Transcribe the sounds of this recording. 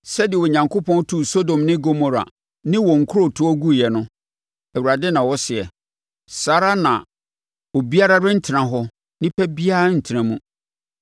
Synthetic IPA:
sɛ˦dɪ˨ɛ˨wɔ˨ɲã˨ŋkʰo˦pʰɔ̃˦n˦tʰu˦˨so˦dõ˨mnɪ̃˦ɡo˦mo˨ɾa̰˨ | nɪ̃˦wɔ˨ŋ̩˨kʰʊ˦o˨tʰʊ˦ɔ˦ɡu˦˨jɛ˨nʊ̃˦ | ɛ˨wu˨ɾa˨dɪ˦nã˨wɔ˦sɪ˨ɛ˨ | sa˨ɾa˦nã̰˨ | ɔ˨bi˦a˦ɾa˦ɾɪ̃˦n̩˦tʰɪ˨ɾã˨ɦɔ˦ | nɪ̃˦pʰɛ˦bi˦a˦n̩˨tʰɪ˨ɾã˨mũ˦

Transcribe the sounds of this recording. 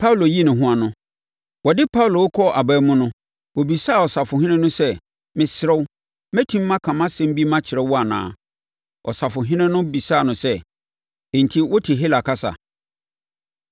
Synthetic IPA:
pʰa˦u˨lo˨ji˦nɪ̃˨ɦʊ̃˦a˨nʊ̃˦ | wɔ˨dɪ˦pʰa˦u˨lo˨wʊ˦kʰɔ˦ʔa˨bæː˦mʊ̃˦nʊ̃˦ | wo˨bi˨sa˦˨ɔ˨sa˨fʊ˨hɪ̃˦nɪ̃˦nʊ̃˦sɛ˦ | mɪ̃˨sɾɛ˦w | mæ̃˦tʰĩ˦mː˦ã˦kʰã˨mã˦sɛ̃˦m̩˦bi˦mã˦t͡ɕʰɪ˨ɾɛ˦wɔ˦a˨nã̰ː˨ | ʔɔ̰˨sa˨fʊ˨ɦɪ̃˦nɪ̃˦nʊ̃˦bi˨sa˦˨nʊ̃˨sɛ̃˦˨ | n̩˨tʰi˦wɔ˦tʰɪ˨ɦi˦la˨kʰa˦sa̰˨

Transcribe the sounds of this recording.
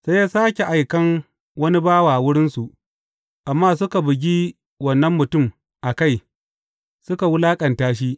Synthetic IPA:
se˦jaː˦saː˦kʲe˨ʔa˨jkɐ˦ŋ | wɐ˦ni˦baː˦waː˨wʊ˦ɽɪ˦nsu˨ʔ | ʔa˨mːaː˦sʊ˦ka˨bʊ˨ɡʲiː˦ | wɐ˨nːɐ˦mːʊ˨tʊ˦m | ʔa˨ka˦˨j | sʊ˦ka˨wʊ˦laː˦kʼɐ˨ntaː˦ʃ̬i˦ʔ

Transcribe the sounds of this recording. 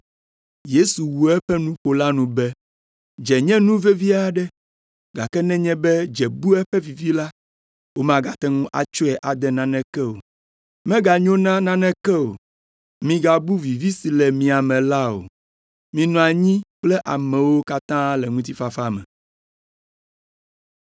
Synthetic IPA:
je˦su˨wu˨ɛ˦ɸɛ˦nũ˦ɸo˨la˦nũ˨bɛ˦ | d͡ʒɛ˨ɲɛ̃˦nũ˦vɛ˦vi˦a˨ɖɛ˦ | ɡa˨kɛ˦nɛ̃˦ɲɛ̃˦bɛ˦d͡ʒɛ˨bu˦ɛ˦ɸɛ˦vi˨vi˦la˦ | wo˦mã˦ɡa˨t̪ɛ˦ŋũ˦ʔa̰˨t͡ʃo˦ɛ˨ʔa˨d̪ɛ˦nã˦nɛ̃˦kɛ˦o̰˨ | mɛ̃˦ɡa˨ɲõ˦nã˦nã˦nɛ̃˦kɛ˦o̰˨ | mĩ˨ɡa˨bu˦vi˨vi˦si˨lɛ˨mĩ˨a˨mɛ̃˨la˦o̰˨ | mĩ˨nɔ̃˨a˨ɲĩ˦k͡plɛ˦ʔa̰˨mɛ̃˨wo˦ka˦t̪ã˦lɛ˨ŋũ˦t̪i˦fa˨fa˦mɛ̰̃˨

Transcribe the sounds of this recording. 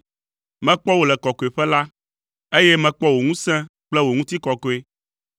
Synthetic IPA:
mɛ̃˦k͡pɔ˦wo˨lɛ˨kɔ˨kɔ˨e˨ɸɛ˦la˦ | e˦jɛ˦mɛ̃˦k͡pɔ˦wo˨ŋũ˦sɛ̃˦k͡plɛ˦wo˨ŋũ˦t̪i˦kɔ˨kɔ˨e˨

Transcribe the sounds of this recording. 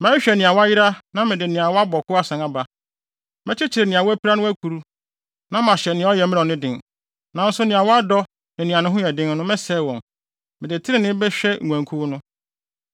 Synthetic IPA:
mæ̃˦ɕᶣɛ˨nɪ̃˨a˨wɔ˦a˦jɪ˦ɾa˦nã˦mɪ̃˨dɪ˨nɪ̃˨a˨wɔ˦a˦bɔ˨kʰʊ˦a˦sã˨ŋa˨ba˨ | mɛ̃˦t͡ɕʰɪ˦t͡ɕʰɪ˨ɾɪ˨nɪ̃˨a˨wɔ˦æ˦pʰi˦ɾa˦nʊ̃˦æ˦kʰu˨ɾu˦ | nã˦mã˨ɕɛ˨nɪ̃˨˦ɔ˦jɛ˨mɪ̃˦ɔ̃˨nɪ̃˦dɪ̃˨ŋ | nã˨˦n̩˦sʊ˦nɪ̃˨a˨wɔ˦a˦dɔ˦ | nɪ̃˨nɪ̃˨a˨nʊ̃˦ɦʊ̃˦ɛ˨dɪ̃˦nnʊ̃˦mɛ˦sɛː˦˨wɔ̃˨n | mɪ̃˨dɪ˨tʰɪ˦ɾɪ˦nɪ̃˦bɛ˦ɕᶣɛ˦ŋ̩ʷ˨æ̃˨ŋkʰu˦nʊ̃˦

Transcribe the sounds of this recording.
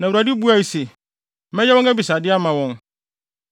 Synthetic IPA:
nã˨u˨ɾa˨dɪ˦bu˦a˨i˨se˨˦ | ɛ̃˦jɛ˦wɔ̃˦næ˦bi˨sa˨dɪ˦a˦mã˨wɔ̃˦n

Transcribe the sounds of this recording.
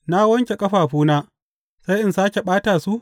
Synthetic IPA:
na˦wɐ˦ŋkʲe˨kʼɐ˦ɸaː˨ɸuː˦naː˦ | sa˦jʔɪ˨nsaː˦kʲe˨ɓaː˦taː˨su˦ʔ

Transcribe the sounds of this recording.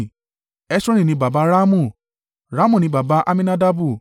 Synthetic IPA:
ɛ˦sɔ̃˦ɾ̃ĩ˦˨nĩ˦ba˨ba˧˦ɾa˦mũ˦˨ | ɾa˨˦mũ˦˨nĩ˧˦ba˨ba˧˦ʔa˦mĩ˦na˦da˦bu˦˨

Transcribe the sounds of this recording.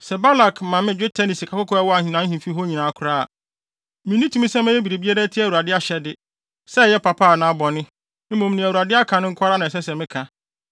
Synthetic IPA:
sɛ˨ba˦la˨kʰmã˨mɪ̃˦d͡ʑᶣʊ˦tʰɛ˦nĩ˨si˨kʰa˨kʊ˦kʰɔ˦ɛ˦wɔ˦a˨hĩ˨nã˦ɦĩ˨fi˦ɦo˦ɲĩ˨nã˨a˨kʰʊ˨˦ɾaː˦a̰˨ | mɪ̃˨nĩ˦tʰũ˦sɛ̃˦mɛ̃˦e˦bi˨ɾe˨bi˦a˦ɾæ˦tʰi˦æ˨wu˨a˨dɪ˦a˦ɕɛ˦dɪ˦ | sɛ˦˨jɛ˦pʰa˨pʰa˦a˨nã˨˦a˦bɔ˨nɪ̃˦ | m̩˦mõ˨mnĩ˨æ˨wu˨a˨dɪ˦a˦kʰã˨nɪ̃˦ŋ̩˦kʰʷa˦ɾa˦nã˨ɛ˨sɛ˦sɛ˨mɪ̃˦kʰã˨

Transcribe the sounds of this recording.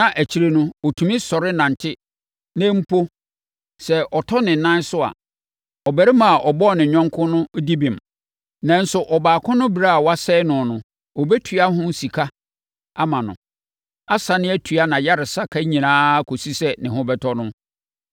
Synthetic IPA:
nã˨ʔæ˨t͡ɕʰi˨˦ɾe˦nʊ̃˦ɔ˨tʰũ˨mĩ˦sɔ˨ɾɪ˦nã˨n˨tʰɪ˦ | nɛ̃˦m̩˦pʰo˦ | sɛ˨ɔ˨tʰɔ˦nɪ̃˨nã˦n˦sʊ˦a̰˨ | ɔ˨bæ˨ɾɪ˦mã˨a˨ʔɔ˨bɔ˦˨nɪ̃˨ɲᶣɔ̃˦ŋkʰʊ̃˦nʊ̃˦di˦bĩ˨m | nã˨n̩˦sʊ˨ʔɔ˨baː˨kʰʊ̃˦nʊ̃˦bi˨ɾa˦a˨wa˦sɛː˦nʊ̃˨nʊ̃˨ | ɔ˨bɛ˦tʰu˨a˦ɦʊ̃˦n̩˦si˨kʰa˦ | a˦mã˨nʊ̰̃˨ | a˦sa˨nɪ̃˦æ˦tʰu˨a˦nã˨ja˦ɾɪ˨sa˦kʰa˦ɲĩ˨nãː˦kʰo˨si˦sɛ˦nɪ̃˨ɦʊ̃˦bɛ˦tʰɔ˦nʊ̃˦

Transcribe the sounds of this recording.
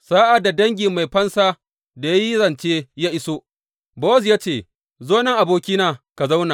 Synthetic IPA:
saː˦ʔa˨da˨dɐ˦ŋɡʲi˨mːa˨jɸɐ˦nsaː˦ | da˨ja˦ji˦zɐ˨nt͡ʃeː˦jaː˦ʔɪ˦soː˦ | boː˦zjaː˦t͡ʃeː˦˨ | zoː˦nɐ˦ŋʔa˨boː˦kʲiː˦naː˨ka˨za˦wna˨

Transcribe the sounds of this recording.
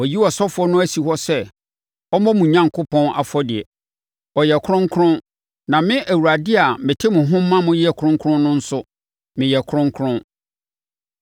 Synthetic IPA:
wɔ˨ji˦wɔ˨sɔ˦fʊ˨ɔ˦nʊ̃˦æ˦si˨hɔ˦sɛ˦ | ɔ˦mɔ̃˦mũ˨ɲã˨ŋkʰʊ˦pʰɔ̃˦na̰˨fɔ˦dɪ˨ɛ˨ | ɔ˨jɛ˨kʰʊ˦ɾʊ̃˦ŋ˦kʰʊ˦ɾʊ̃˦n | nã˨mɪ̃˦ʔæ˨wu˨ɾa˨dɪ˦a˨mɪ̃˨tʰɪ˦mʊ̃˨ɦʊ̃˦m̩˦mːã˦mʊ̃˦jɪ˦ɛ˦˨kʰɾʊ̃˦ŋ˦kʰɾʊ̃˦n˦nʊ̃˦n̩˦sʊ˦ | mɪ̃˨jɛ˨kʰʊ˦ɾʊ̃˦ŋ˦kʰɾʊ̃˦

